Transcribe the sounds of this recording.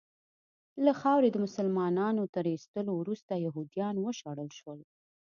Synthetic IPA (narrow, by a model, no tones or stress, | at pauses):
laxɑwɾed̪əmʊsəlmɑnɑnot̪əɾist̪əlowɾust̪ajaɦud̪ijɑnwəʃɑɽəlʃwəl